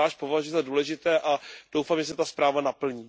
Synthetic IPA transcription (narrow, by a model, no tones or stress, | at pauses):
aːʃpo̞vaʒujɛzaduːlɛʒɪt̪ɛːʔad̥owfaːmʒɛs̬ɪt̪aspɾaːvanapl̩ɲiː